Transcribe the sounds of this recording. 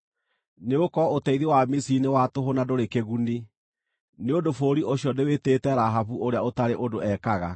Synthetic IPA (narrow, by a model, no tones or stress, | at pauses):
neokɔotɛiðewamisinewatoɦonadoɾekeɣuni | neodofoːɾiʔoɕjɔneweteːtɛɾaɦaβuoɾeaotaɾeʔodoɛkaɣa̰